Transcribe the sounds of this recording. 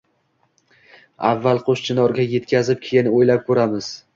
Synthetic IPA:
avːalˠqʰoʃt͡ʃʰɪnɒɾɡʲaje̞t̪kʲʰazɪp̚kʲʰejɪnɪojlap̚kʰɵɾamɪz̥

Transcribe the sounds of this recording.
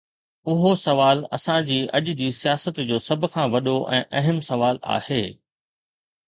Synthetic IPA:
ʊɦosɐʋaːlɐ̰sãd͡ʑiːʔɐ̰ʄʊd͡ʑiːsijaːsət̪d͡ʑoːsɐbʱʊ̆kʰãːʋɐɗoʔɛ̃ːʔɐɦəmsɐʋaːla̰ːheː

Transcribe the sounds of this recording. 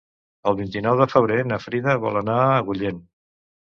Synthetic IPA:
əlˠβint̪inɔwðəfəβ̞ɾenəfɾiðəβɔ̰lˠənaəɣuʎen

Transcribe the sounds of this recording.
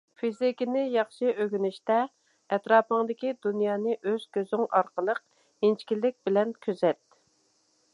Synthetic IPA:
fizɪkʲinɪjɑχʃɨʔøɡʲynɪʃt̪ɛ | ɛt̪ɾɑːpəŋd̪ɪkʲid̪unjɑːnɨʔøz̥kʲøzyŋɑɾqəlˠəq̚ | int͡ʃkʲilːɪk̚ʲbɪlɛnkʲʰøzɛt̪

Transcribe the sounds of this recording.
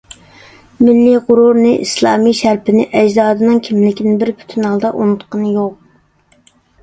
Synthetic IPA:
mɪlːiʁʊɾuɾnɨʔḭslˠɑ̰ːmijʃæɾpʰɪnɪʔɛd͡ʒzɑːd̪ɨnɨŋkʲʰimlɪkʲinɪbɪɾpʰy̥t̪ʰynɑlˠd̪ɑʔunut̪qənɨjoq̚

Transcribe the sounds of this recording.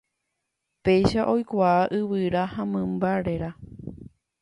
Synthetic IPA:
pe̞jʃaʔo̞jkʷaːʔɨʋɨɾahãmɨ̃mbaɾe̞ɾa

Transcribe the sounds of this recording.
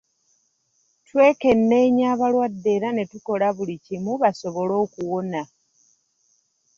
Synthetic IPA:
twe̞ːke̞nːe̞ːɲaːβalwadːe̞ɾane̞tuko̞laβulicimuβaso̞βo̞lo̞ːkuwo̞na

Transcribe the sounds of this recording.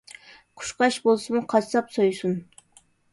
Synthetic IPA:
qʰʊ̥ʃqɑʃbolˠsɨmuqʰɑt͡ʃsɑpsojusun

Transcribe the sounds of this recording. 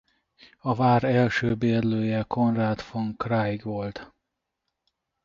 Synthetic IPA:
ɒvaːɾɛlʃøːbeːrløːjɛkʰo̞nraːt̪foŋkrajɡʋolt̪

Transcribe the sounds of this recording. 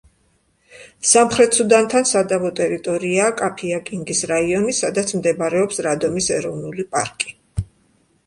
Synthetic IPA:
samχɾɛt̪sud̪ant̪ʰansad̪avɔt̪ʼɛɾit̪ʼɔɾiaːkʼapʰiakʼiŋɡisɾaiɔnisad̪at̪sʰmd̪ɛbɾɛɔpsɾad̪ɔmisɛɾɔvnulipʼa̰ɾkʼi̥

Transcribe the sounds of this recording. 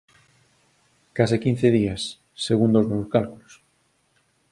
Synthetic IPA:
kasikĩn̟θeð̞iasː | eɣund̪ozmoβoskalkulo̥s

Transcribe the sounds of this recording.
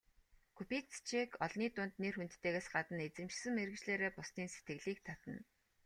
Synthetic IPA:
kʰupit͡st͡ɕʰekʰɔɮniːt̪ʊːnt̪nerxunt̪ːeːɣeːsɢat̪ə̆net͡sɘ̆mt͡ɕsɘ̆ŋmeɾɘ̆t͡ɕɮeːɾeːpʊsniːnse̥t̪ɡɘ̆ɣɮiːk̚t̪ʰat̪ə̆n

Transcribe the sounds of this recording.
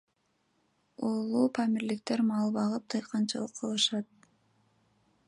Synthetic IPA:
olˠupʰamiɾlikt̪eɾmɑlˠβɑʁɯp̚t̪ʰɯjqʰɑnt͡ʃɑ̰lˠɯqʰːɯlˠɯʃɑt̪̚

